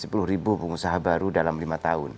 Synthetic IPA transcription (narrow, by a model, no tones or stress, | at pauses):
sə̥pulʊhɾibupəŋusaɦabaɾudalamlimat̪aʊn